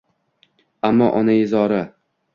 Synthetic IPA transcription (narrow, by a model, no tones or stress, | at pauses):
amːɒ̰ʔɒnajɪzɒɾa